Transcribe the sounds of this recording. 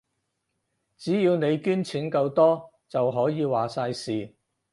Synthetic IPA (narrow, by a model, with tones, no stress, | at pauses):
t͡siː˨˥jiː˧wne˨˧jkyː˥nt͡sʰiː˨˥nkɐ˧wt̪ɔː˥ | t͡sɐ˨wɦɔː˨˥jiː˨˧waː˨˩saː˧jsiː˨